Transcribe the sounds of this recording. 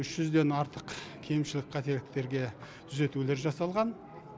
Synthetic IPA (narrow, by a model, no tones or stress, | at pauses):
ʏʃʒ̥ʏzd̪e̞nɑɾt̪əqkʲʰejmʃɪlɪkʲqʰɑt̪e̞lɪkt̪e̞ɾɡʲe̞ | t̪ʰʏze̞t̪ule̞ɾʒɑsɑlˠʁɑn